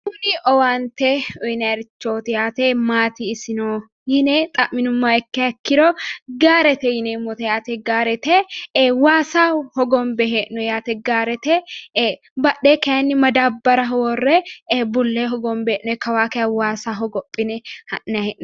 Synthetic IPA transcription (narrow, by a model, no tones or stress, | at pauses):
ʊniɔwaːnt̪eɔnɐɾɪt͡ʃːoːt̪ɪjaːt̪eːmaːt̪iɪsɪnoː | jɪneːt̪ʼɐʔmɪnʊmːaːɛkːɛɐkːɪɾɔːɡaːɾɛt̪ɛjɪneːmɔt̪ɛjaːt̪ɛɡaːɾɛt̪ɛwaːsaːhɔɡɔmbɛɦeʔnɔjaːt̪ɛɡaːɾɛt̪ɛ | bɐɗeːkɐjɐnːɪmɐd̪aːbːɐɾɐɦɔwɔrːɛbʊlːeːɦɔɡɔmbɛeːʔnɔɛkɐwaːkɐjɐwaːsaːɦɔɡɔpʼːɪnɛhɐʔnɛhɛʔn